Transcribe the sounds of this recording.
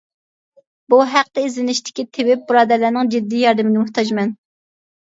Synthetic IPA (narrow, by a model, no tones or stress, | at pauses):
b̥uɦæq̚t̪ɛizlɪnɪʃt̪ʰɪ̥kʲit̪ʰɪwɪp̚buɾɑːd̪ælːænɪŋd͡ʒid̪ːiːjɑɾd̪ɨmɪnɪmʊht̪ʰɑd͡ʒmɛn